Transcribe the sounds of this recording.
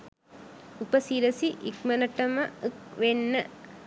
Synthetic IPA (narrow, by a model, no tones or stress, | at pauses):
upəsiɾəsiʔikmənəʈɐmɐk̚ʋenːə